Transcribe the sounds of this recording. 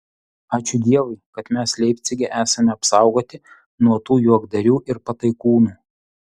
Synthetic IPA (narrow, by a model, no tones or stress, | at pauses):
ɑːt͡ʃʲʊd̪ʲiɛʋɐɪkɐt̪mʲɛslʲɛɪpʲt̪sʲɪɡʲɛʔæːsɐmʲɛɐpsɑˑʊɡoːt̪ʲɪ | nuɔt̪uːjuɔɡd̪ɐɾʲuːʔɪɾpɐt̪ɐɪkuːnuː